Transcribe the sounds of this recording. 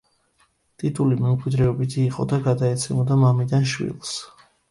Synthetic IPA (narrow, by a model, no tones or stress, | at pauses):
t̪ʼit̪ʼulimɛmkʼwid̪ɾɛɔbit̪ʰiːqʼɔ̰d̪aɡad̪aɛt̪sʰɛmɔd̪amamid̪anʃwḭlˠs